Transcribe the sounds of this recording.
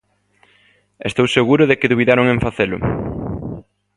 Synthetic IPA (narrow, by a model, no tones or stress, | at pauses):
est̪owseɣuɾʊðekɪðuβ̞iðaɾoŋeɱfaθelʊ̰